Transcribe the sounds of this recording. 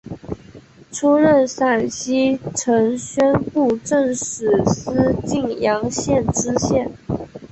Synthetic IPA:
ʈ͡ʂʰu˥ɻə˥˩nʂa˨˩nɕi˥ʈ͡ʂʰɤ˧˥ŋɕɥɛ˥npu˥˩ʈ͡ʂə˥˩ŋʂɻ̩˨˩s̩˥t͡ɕi˥˩ŋjɑ˧˥ŋɕjɛ˥˩nʈ͡ʂɻ̩˥ɕjɛ˥˩n

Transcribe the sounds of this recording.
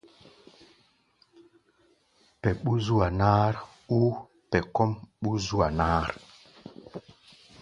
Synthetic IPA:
pɛ˨ɓu˦zu˦a˨naː˦ɾ | u˦ | pɛ˨kɔ˦mɓu˦zu˦a˨naː˦ɾ

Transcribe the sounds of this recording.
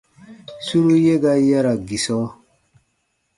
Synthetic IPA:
su˦ɾu˦je˦ɡa˦ja˦ɾa˨ɡi˨sɔ˦

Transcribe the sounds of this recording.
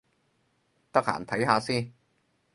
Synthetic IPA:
t̪ɐ˥k̚ha̰ː˨˩nt̪ʰɐ˨˥jɦaː˧siː˥n

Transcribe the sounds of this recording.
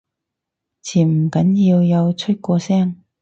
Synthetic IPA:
t͡sʰiː˨˩m̩˨˩kɐ˨˥njiː˧wjɐ˨˧wt͡sʰɵ˥t̚kʷɔː˧sɛː˥ŋ

